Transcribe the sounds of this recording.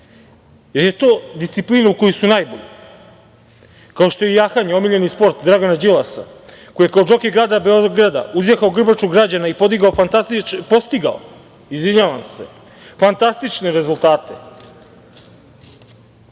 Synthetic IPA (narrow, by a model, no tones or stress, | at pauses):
jeɾjet̪o̞ːd̪ist̪sipliːnauko̞jisunaːjboʎe | kaoʃt̪o̞jejaːxaɲeo̞miʎenispo̞ɾt̪d̪ɾaɡonad͡ʑilˠasa̰ko̞jekaod͡ʒo̞keɡɾaːd̪abeoɡɾad̪a̰uzjexaoɡr̩bat͡ʃoɡɾad͡ʑanaipod̪iɡaofant̪apo̞st̪iɡao̰ | izʋiɲaːʋamse̞̰ | fant̪ast̪it͡ʃne̞ɾe̞zulˠt̪aːt̪e̞